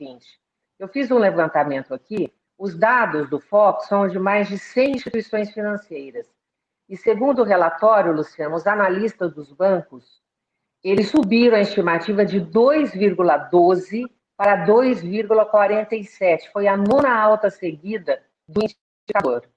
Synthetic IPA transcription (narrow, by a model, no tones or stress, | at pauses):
ĩt͡ʃɪ̥ | ewfizũlevɐ̃nt̪amẽnt̪ʊaki | ʊzd̪ad̪ʊzd̪ʊfɔksːɐ̃w̃d͡ʒɪmajzd͡ʒɪsẽj̃ĩst͡ʃit̪uisõj̃sfinɐ̃sejɾɐs | ɪseɡũnd̪ʊɦelat̪ɔɾjʊlusiɐ̃nɐʊzanalist̪ɐzd̪ʊzbɐ̃kʊs | elɪsːubiɾɐ̃ɐist͡ʃimat͡ʃivɐd͡ʒɪd̪ojzviɾɡulɐd̪ozɪ | paɾɐd̪ojzviɾɡulɐkwaɾẽnt̪ɐjsɛt͡ʃɪ̥fojɐnũnɐawt̪ɐseɡid̪ɐ | d̪ʊĩst͡ʃ | ikad̪oɾ